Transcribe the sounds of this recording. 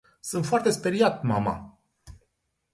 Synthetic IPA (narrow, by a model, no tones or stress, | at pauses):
sunt̪foart̪e̞speɾiat̪̚ma̰ma̰